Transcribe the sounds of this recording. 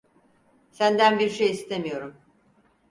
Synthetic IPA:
sænd̪ænbiɾʃe̞jist̪ʰe̞mijo̞ɾum

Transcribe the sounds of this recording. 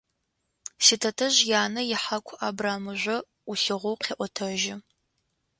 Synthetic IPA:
sɪtʰɐtʰɐʑjaːnɐjɪħakʷʰʔaːbraːmɨʒʷɐ | uɬɨʁʷʊwqʰeːʔʷɔtʰɐʒɪ

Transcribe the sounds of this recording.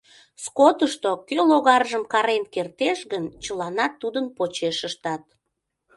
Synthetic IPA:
skot̪əʃt̪okøloɣɑrʒəmkɑɾenkert̪eʃɣənt͡ɕəlɑnɑt̪ːud̪ənpot͡ɕeʃəʃt̪ɑt̪̚

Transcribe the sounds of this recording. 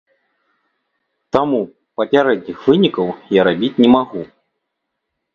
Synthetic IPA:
t̪amu | pɐpʲaɾɛd̪ʲnʲixvɨnʲikɐwjaɾabʲit͡sʲnʲɛmaɣu

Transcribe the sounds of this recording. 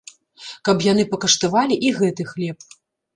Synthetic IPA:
kɐpjanɨpɐkɐʂt̪avalʲiʔiɣɛt̪ɨxlʲɛp̚

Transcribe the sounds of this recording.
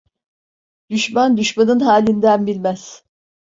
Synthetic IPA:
d̪̥yʃmand̪yʃmanɯnɦaːlʲind̪ænbilʲmæz̥

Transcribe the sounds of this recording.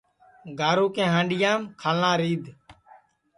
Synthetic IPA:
ɡʱaːɾuːkẽːɦãːɳɖɪjãːmkʰaːlnãːɾiːd̪

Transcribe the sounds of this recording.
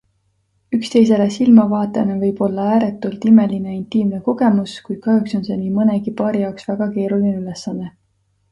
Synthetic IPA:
ykst̪e̞js̬e̞le̞silmɑvɑːt̪ˑeɑnevɤjb̥o̞lːɑæːɾet̪ːˑult̪ime̞lineint̪iːmne̞ko̞ɡ̥e̞muskujd̪̥̚kɑhjukso̞nse̞niːmɤne̞ɡ̥ipɑːɾijɑoksv̥æɡ̥ɑke̞ːɾulineylesːɑnːe̞

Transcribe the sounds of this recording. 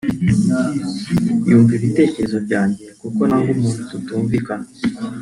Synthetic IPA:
juːɱviβitekezovjaːnɟekukonaŋɡumuːnututuːɱvika

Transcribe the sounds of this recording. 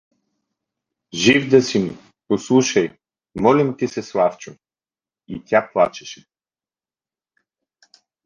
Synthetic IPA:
ʒivd̪ɐsim | poslˠuʃɐj | mɔlimt̪isɛslˠaft͡ʃʊ | it̪ʲaplˠat͡ʃɛ̥ʃɛ̥

